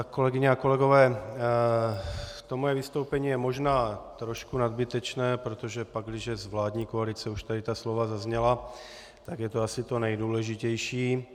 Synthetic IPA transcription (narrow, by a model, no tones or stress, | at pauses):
ko̞lɛɡɪɲɛako̞lɛɡo̞vɛː | t̪omojɛvɪst̪owpɛɲiːjɛmo̞ʒnaːt̪ɾo̞ʃkunad̪bɪt̪ɛt͡ʃnɛːpɾot̪oʒɛpaɡ̚ɡdɪʒɛzvlaːd̪ɲiːkoalɪt͡sɛuʃt̪adɪt̪aslovazazɲɛla | t̪aɡjɛt̪oasɪt̪onɛjduːlɛʒɪcɛjʃiː